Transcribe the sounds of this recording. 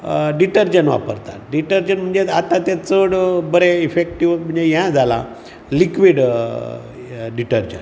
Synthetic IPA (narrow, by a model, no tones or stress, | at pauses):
ɖiʈəɾd͡ʑənʋa̰pəɾt̪a̰t̪̚ɖiʈəɾd͡ʑənm̤əɳd͡zeat̪ãt̪ɛt͡səɽbəɾeifek̚ʈiʋm̤əɳd͡zejãd͡zʱala̰ | likʋiɽ | ɖiʈəɾd͡ʑə̰n